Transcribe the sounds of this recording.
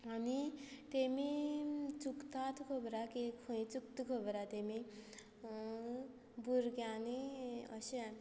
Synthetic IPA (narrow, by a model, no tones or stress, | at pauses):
ɦʌnit̪emit͡sukt̪at̪ʰkʰobɾakekʰuĩt͡suk̚t̪ukʰobɾat̪emi | buɾɡjaniʌ̰sea